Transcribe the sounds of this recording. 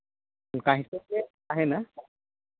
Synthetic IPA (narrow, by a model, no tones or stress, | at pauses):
kaɦisɔe | aɦɛna